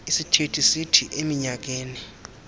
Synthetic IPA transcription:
isitʰetʰisitʰiʔemiɲak̬eːni

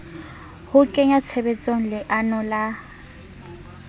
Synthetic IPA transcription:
hʊkʼɛɲat͡sʰɛbɛt͡sʼoŋ̩lɪʔanɔla

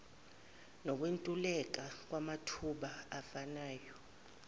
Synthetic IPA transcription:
nɔk̬wentʼulɛk̬ak̬wamatʰuɓaafanaːjɔ

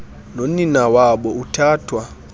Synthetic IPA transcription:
noninawaɓɔutʰaːtʰwa

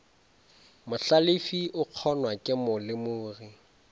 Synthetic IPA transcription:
mʊɬalɪfiʊq͡χʰɔnwakʼɪmʊlɪmʊːri

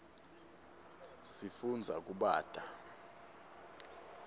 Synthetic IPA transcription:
sifund͡zʱak̬ʼuɓaːd̥ʱa

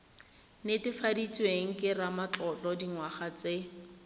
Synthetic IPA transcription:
netɪfadit͡sweŋ̩kʼɪramat͡ɬɔt͡ɬʼɔdiŋwaχat͡se

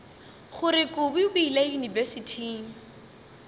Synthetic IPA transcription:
χʊɾɪkʼʊbibʊilajunivesitʰiːŋ

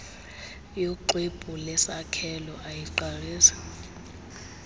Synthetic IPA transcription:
joǃweb̥ʱulɛsakʰɛlɔʔajiǃariːsḁ

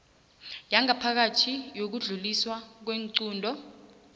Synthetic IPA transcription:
jaŋapʰak̬atʰijok̬uɮuliswak̬weŋǀuːndʱɔ

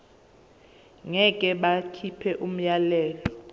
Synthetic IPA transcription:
ŋɛkʼɛɓakʰipʰɛʔum̩jalɛːlɔ

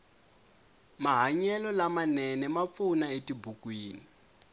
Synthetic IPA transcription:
maɦaɲɛlɔlamanɛnɛmap̪funaetibʱukwiːni

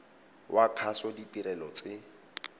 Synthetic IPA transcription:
wʔaq͡χʰasɔditiɾɛlɔt͡sʼɪ

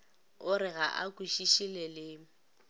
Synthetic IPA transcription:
ʊɾɪɣaʔakʼwiʃiʃilɛlɪ

